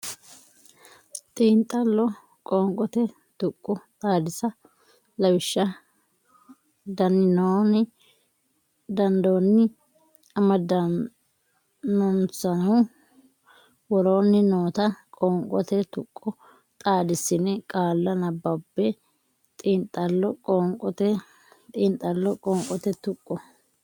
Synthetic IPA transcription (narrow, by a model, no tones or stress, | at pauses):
t̪ʼiːnt̪ʼːɐlːɔ | kʼoːŋkʼɔt̪ɛ | t̪ʊkʼːɔt̪ʼaːd̪ɪsɐ | lɐwɪʃːɐ | d̪ɐnːɪnoːnɪ | d̪ɐnd̪oːnːɪ | ɐmɐd̪ɐ | nɔnsɐnɐ | wɔɾoːnːɪnoːt̪ɐkʼɔːŋkʼɔt̪ɛt̪ʊkʼːɔ | t̪ʼaːd̪ɪsːɪnɛkʼaːlːɐnɐbɐbːɛ | t̪ʼiːnt̪ʼːɐlːɔkʼoːŋkʼɔt̪ɛ | t̪ʼiːnt̪ʼːɐlːɔkʼɔːŋkʼɔt̪ɛt̪ʊkʼːɔ